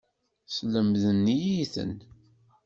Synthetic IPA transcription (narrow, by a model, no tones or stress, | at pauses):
sləmðənːijiiθə̰n